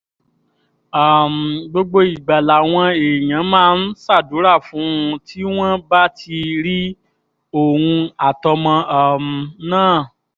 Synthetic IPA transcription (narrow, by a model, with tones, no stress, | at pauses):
a˨m˨ɡ͡bo˧ɡ͡bo˧i˨ɡ͡ba˨la˨w̃ɔ̃˧e˨j̃ã˨˦mãː˦n̩˦sa˦˨du˨˦ɾa˦˨fũ˨˦ũ˧tʰi˦w̃ɔ̃˦ba˦tʰi˧ɾi˦ | o˦˨wũ˧a˨tɔ˧mɔ̃˧˨m˨nãː˦˨